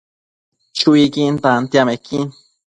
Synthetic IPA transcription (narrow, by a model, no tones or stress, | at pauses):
t͡ʃuikint̪ant̪jamekʰiŋ